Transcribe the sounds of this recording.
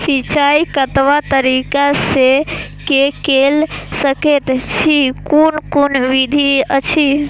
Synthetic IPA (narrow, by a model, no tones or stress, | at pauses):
sit͡ʃaikət̪ʋat̪əɾikasekekelsəket̪t͡ʃʰikonkonʋid̪ʱiət͡ʃʰi